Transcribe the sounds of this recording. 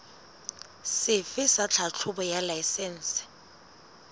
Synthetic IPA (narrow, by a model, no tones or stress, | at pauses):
sɪfɪsat͡ɬʰat͡ɬʰʊbɔjalajsɛn̩sɪ̥